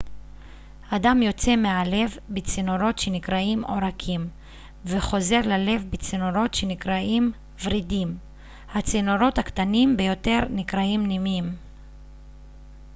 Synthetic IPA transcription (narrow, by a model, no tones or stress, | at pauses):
adamjo̞t͡se̞meale̞vbit͡sinoɾo̞t̪ʃe̞nikʁaimo̞̰ʁakʰim | veχo̞ze̞ʁlale̞vbit͡sinoʁo̞tʃenikʁaim | vʁidim | hat͡sinoɾo̞t̪hakt̪animbejo̞te̞ʁnikʁaimnimim